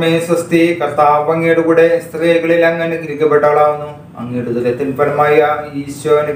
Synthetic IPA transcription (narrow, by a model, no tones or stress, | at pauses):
meːswɐst̪ikɐrt̪aːʋɐŋːeːɽukuːɽest̪riːɣɐɭilɐŋːɐnekiɾikʲːɐpːe̞ʈːaːɭaːʋunːu | ɐ̰ŋːeːɽud̪ulet̪ːinpɐlɐmaːjɐiːswɐni